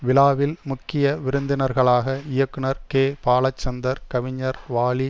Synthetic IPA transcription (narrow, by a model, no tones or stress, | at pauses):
ʋɪlaːʋɪlmʊkːɪjɐʋɪɾɯnd̪ɪnɐɾɣɐɭaːɣɐɪjɐkːɯɳɐɾkeːpaːɭɐt͡ʃːɐnd̪ɐɾkɐʋɪɲːɐɾʋaːɭi